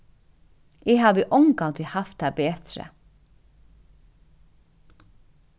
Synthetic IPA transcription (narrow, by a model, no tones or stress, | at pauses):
eːhɑːʋiːʔʊŋɡɑnt̪ʰɪhɑft̪̚d̪æːbeːt̪ɾə̰